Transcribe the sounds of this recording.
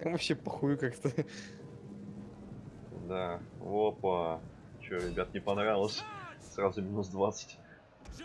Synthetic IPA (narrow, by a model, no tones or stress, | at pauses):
t̪amvɐpɕːepɐxujʊkakt̪ə | d̪aopə | t͡ɕɪoɾʲɪbʲat̪nʲɪpɐnɾavʲɪlˠəsʲsrazʊmʲɪnusd̪vat̪sə̥tʲ